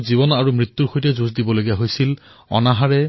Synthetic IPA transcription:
zibɔnaɹumɹit̪ːuɹxojtɛzuzdibɔloɡiaɦojsil | ɔ̰naɦaɹɛ

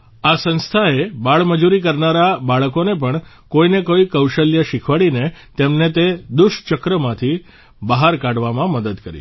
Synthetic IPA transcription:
asə̃nst̪ʰaebaɭməd͡ʒuɾikəɾnaɾabaɭəkonep̬əɳ | koinekoikəwʃəljaʃɪkʰʋaɭinet̪emnet̪ed̪ʊʃt͡ʃəkɾəmãt̪ʰi | bəɦaɾkaɽʋamãməd̪əd̪kəɾḭ

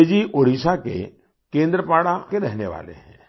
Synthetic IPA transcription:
d͡ʒiʔoɽisakḛ | kẽːnd̪ɾəpaːɽakeɾɛɦneʋa̰ːlḛɦɛ̰̃ː

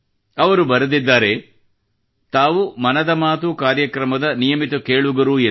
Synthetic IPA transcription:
ɐʋɐɾubɐɾɐd̪id̪ːaːɾe̞ | t̪aːʋumɐnɐd̪ɐmaːt̪̬ukaːɾjɐkɾɐmɐd̪ɐnijɐmit̪ɐkeːɭuɡɐɾuːe

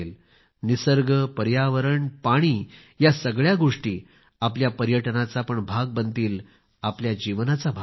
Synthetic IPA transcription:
l | nisəɾɡəpəɾjaʋəɾəɳpaɽ̃iː | jasəɡɭjaɡoʂʈiː | apljapəɾjəʈnat͡sapəɳbʱaɡ̚bənt̪iːl | apljad͡ʑiʋnat͡sabʱa

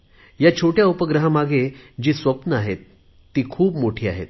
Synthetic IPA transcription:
jat͡ɕʰoʈjaupəɡɾəɦamaɡed͡ʑiːsʋəpnəaɦet̪ː | iːkʰuːpmoʈʰiːa̰ɦḛt̪̚

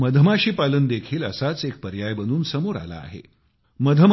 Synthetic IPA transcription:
məd̪ʱəmaɕiːpalənd̪ekʰiːləsat͡sek̚pəɾjajbənd̪uːnsəmoɾa̰la̰ːɦḛ | məd̪ʱəm

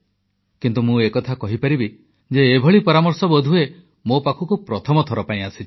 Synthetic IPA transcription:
kint̪umũekɔt̪ʰakɔɦipaɾibi | d͡ʒeːbʱɔɭipɔɾamɔɾsɔbɔd̪ʱue | mopakʰukupɾɔt̪ʰɔmɔt̪ʰɔɾɔpaĩasit͡ʃʰi̥

